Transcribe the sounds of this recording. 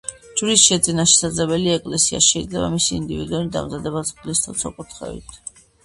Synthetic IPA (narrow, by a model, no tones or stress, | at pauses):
d͡ʒɾisʃɛd̪zʼinaʃɛ̥sad̪zlɛbɛliɛkʼlɛsia̰ʃɛid̪zlɛba̰misiːnd̪ivḭd̪uunid̪a̰mzad̪ɛbasʼlist̪ʰɔt̪sʰɔkʼut̪ʰχɛ̰vḭt̪ʰ